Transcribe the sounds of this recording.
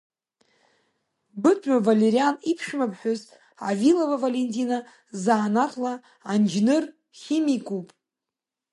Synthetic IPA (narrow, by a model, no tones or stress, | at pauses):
bɨtʷʼɥavaleɾianipʰʂmapʰħʊz | avilovavalentʰina | zaːnaqʰla | and͡ʒnɨr | χʲimikʷʼupʼ